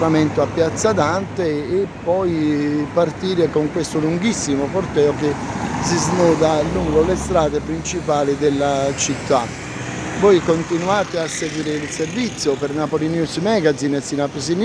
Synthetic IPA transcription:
ɾament̪oapːjat̪sːad̪ant̪eːpːɔjpːart̪iːɾɪkoŋkwest̪oluŋɡisːimʊkort̪ɛːokesiznɔːd̪aluŋɡolest̪ɾaːd̪epɾint͡ʃipaːlid̪elːat͡ʃit̪ːa | vɔjkont̪inuaːt̪ɪasːeɡwiːɾɪilservit̪sːjʊpernapolinjusmɛɡazinesinapesin

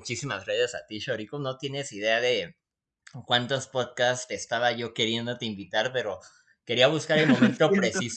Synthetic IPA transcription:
t͡ʃisimazreðesa̰t̪iʃoɾikono̞t̪jene̞siðe̞aðe̞ | kwant̪o̞spo̞ðkast̪e̞ːst̪aβaʝo̞ke̞ɾje̞nd̪o̞t̪e̞imbit̪aɾpe̞ɾo̞ | ke̞ɾiaβ̞uskaɾe̞lmo̞mẽ̞nt̪o̞pɾe̞siso

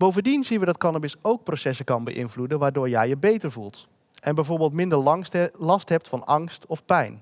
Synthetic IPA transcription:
bowvəndinzinʋədɑtkɑnabɪsowk̚prosɛsəkɑnbə̰ʔɪ̰nvludəʋaːɹdʊːɹjɛjəbejtəɹvulˠt | ɛnbɛjvoːɹbɪlˠtmɪndəɹlɑstɦɛp̚tfɑnɑŋstɔfpɛjn

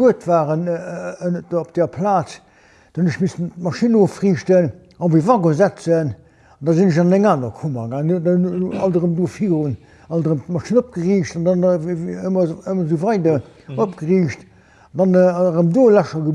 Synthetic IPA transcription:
uətvaːʁən | op̚d̥ɛːɐpʰlaːt͡s | d̥ɑnəʃmisttmɑʃinofʁiːʃtən | ɑnvivɑɡozæt͡sən | ɑndɑzinəʃɑnæŋaːnɐkʰumɐɡaːŋdɑɑldəʁəmdoːfiːʁun | ɑldəʁəmtmɑʃinop̚ɡ̥əʁiːʃtɑndɑnəmɐəmɐzuvɑɪdɐ | opɡ̥əʁiːʃt | ɑndɑnʁəmdoːlæʃɐɡə

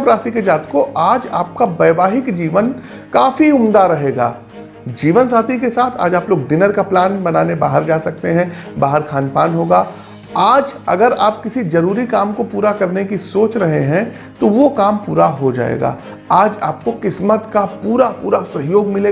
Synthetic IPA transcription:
bɾaːsiked͡ʒaːt̪koʔaːd͡ʒa̰ːp̚kabɐːʋaːɦɪkd͡ʒiːʋən | kaːfiʊmd̪aɾɐɦeːɡa̰ː | d͡ʒiːʋənsaːt̪ʰikesaːt̪ʰa̰ːd͡ʒaːploːɡɖɪnəɾkaplaːnbɐnaːnebaːɦəɾd͡ʒaːsɐk̚t̪eɦɛ̃baːɦəɾkʰaːnpaːnɦoːɡaː | aːd͡ʒɐ̰ɡəɾaːp̚kɪsizɐɾuːɾikaːmkopuːɾakɐɾnekisoːt͡ʃɾɐɦeɦɛ̃ | t̪oʋokaːmpuːɾaɦod͡ʒa̰ːḛɡa̰ː | aːd͡ʒa̰ːp̚kokɪsmət̪kapuːɾapuːɾasɐɦjoːɡmɪleː

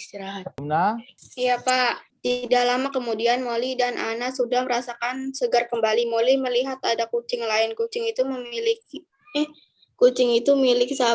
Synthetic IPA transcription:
ist̪iɾaɦat̪̚najapat̪idalamakəmudianmolidanʔa̰nasudahməɾasakansəɡarkəmbalimoliməliɦat̪adakut͡ʃɪŋlaɪnkut͡ʃɪŋit̪uməmilɪk̚ | kːut͡ʃɪŋit̪umilɪksa

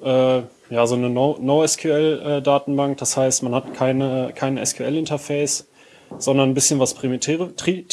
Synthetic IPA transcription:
ʔɛː | jaːzoːnənonoʊɛskʰuɛlʔɛːdaːtn̩baŋk̚d̥ashaɪstmanhatkʰaɪnəkʰaɪnɛ̰skʰuɛlɪntɐfɛɪs | z̥ɔndɐnnbɪsçənvaspʁ̥imtʰɛːətʁit

